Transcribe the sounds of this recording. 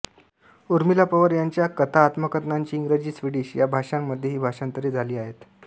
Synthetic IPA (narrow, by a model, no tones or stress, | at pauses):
uɾmilapəʋəɾjaɲt͡ɕjakət̪ʰaːt̪məkət̪naɲt͡ɕiːŋɡɾed͡ʑiːsʋiɽiɕjabʱaʂamːəd̪ʱjeɦiːbʱaʂant̪əɾiːd͡zʱaliːaɦet̪